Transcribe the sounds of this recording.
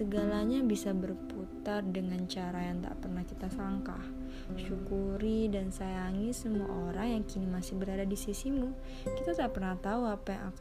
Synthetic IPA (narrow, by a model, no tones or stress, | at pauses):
əɡalaɲabisabərput̪ardəŋant͡ʃaɾajaŋt̪a̰ʔpərnahkit̪asaŋka̰h | ʃukuɾidansajaŋisəmua̰ʔoɾaŋjaŋkinimasɪhbəɾadadisisimu | kit̪at̪aʔpərnaht̪auapajaŋak